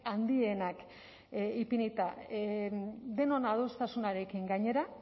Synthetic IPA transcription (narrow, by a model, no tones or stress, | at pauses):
and̪ie̞nak | ipinit̪a | d̪e̞no̞naðost̪asunaɾe̞kiŋɡaɲe̞ɾa